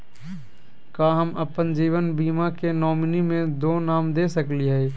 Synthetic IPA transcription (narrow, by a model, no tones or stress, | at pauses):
kaːɦəməpənd͡ʒiːʋənbiːmakenɔːmnimẽd̪oːnaːmd̪esəkliɦɛː